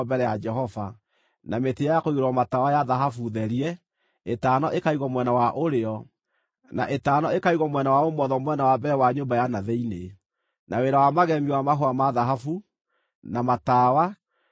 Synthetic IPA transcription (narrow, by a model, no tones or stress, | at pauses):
bɛɾɛjad͡ʒɛɦɔva | nametejajakoioɾwɔmatawajaðaɦafuðɛɾiɛ | etaːnɔʔekaiɣɔmwɛnawaʔoɾeɔ | na̰ʔetaːnɔekaiɣɔmwɛnawaomɔðɔmwɛnawabɛɛwaɲombajanaðɛine | naweɾawamaɣɛmiwamaɦoamaðaɦafu | namatawa